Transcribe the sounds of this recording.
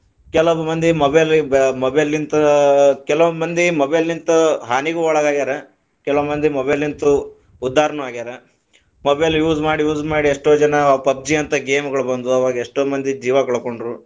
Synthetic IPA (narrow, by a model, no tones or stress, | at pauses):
kɛlonumɐnd̪imɐbelmɐbelːint̪ɐkɛlʋonmɐnd̪imɔbelːint̪ɐɦaːniɡuɔɭɐɡaːɡid̪aːɾe | kɛlmmɐnd̪imɐbelːint̪u | ud̪ʱːaːɾɐnuaːɡid̪aːɾe | mɔbeljuːzmaːɽijuːd͡ʒmaːɽieʂʈoːd͡ʒɐnɐpɐb̚d͡ʒiɐnt̪ɐɡeːmɡɐɭubɐnd̪uɐʋaːɡɐeʂʈoːmɐnd̪id͡ʒiːʋɐɡɐɭɐkoɳɖɾu